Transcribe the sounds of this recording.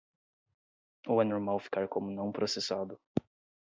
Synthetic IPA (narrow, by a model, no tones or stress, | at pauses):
ʊanoɾmawfi̥kaɾkõmʊnɐ̃w̃pɾosesad̪ʊ